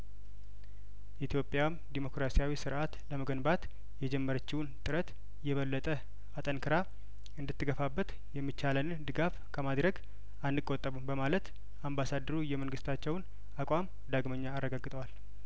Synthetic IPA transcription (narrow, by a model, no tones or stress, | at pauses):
ʔit̪ʰjo̞pʼːjamd̪imo̞kɾasijawisɨɾʔat̪ləməɡənbat̪ | jɛd͡ʒɛmːəɾət͡ʃːɪwunt̪ʼɨɾət̪ | jɛβəlːət̪ʼə | at̪ʼənkʰɨɾa | ɨnd̪ɨt̪ʰːɨɡəfabːət̪ | jɛmːit͡ʃːalənɨnd̪ɨɡaf | kʰəmad̪ɾəɡ | anːɨkʼːot̪ʼːəβɨmbəmalət̪ | ʔambasad̪ːəɾujɛmənɡɨst̪ʰat͡ʃːɛwn | akʷʼam | d̪aɡməɲːaːrːəɡaɡɨt̪ʼəwal